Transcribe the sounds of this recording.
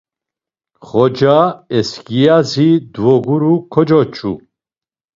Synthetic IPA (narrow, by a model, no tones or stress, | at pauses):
χɔd͡ʒaɛskijazid̪vɔɡuɾukʰɔd͡ʒɔt͡ʃʰṵ